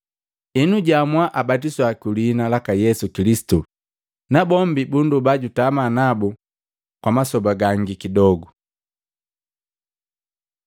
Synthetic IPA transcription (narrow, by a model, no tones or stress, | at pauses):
inuɟamwaʔabatiswakulinalakajɛsukilisi̥tu | nabɔmbibundubaɟutamanabu | kwamasɔbaɡaŋɡikidɔɡu